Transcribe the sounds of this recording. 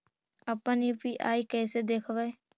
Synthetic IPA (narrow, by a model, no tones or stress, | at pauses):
əpənipiʔa̰ːikɛːsed̪eːkʰʋa